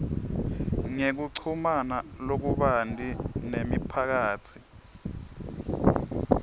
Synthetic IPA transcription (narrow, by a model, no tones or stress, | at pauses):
ŋek̬uǀʰumanalok̬uɓantʼinemipʰak̬aːt͡sʰi̥